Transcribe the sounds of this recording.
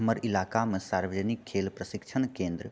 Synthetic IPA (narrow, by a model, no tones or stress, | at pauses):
məɾɪlaːkamẽsaːɾʋəd͡ʒnikʰːeːlpɾəsɪkt͡ʃʰənkẽːnd̪ɾ